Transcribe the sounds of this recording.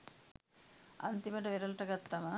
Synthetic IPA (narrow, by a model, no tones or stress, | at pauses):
ɐ̰nt̪imɐʈɐʋeɾɐlʈɐɡɐt̪ːɐmɐ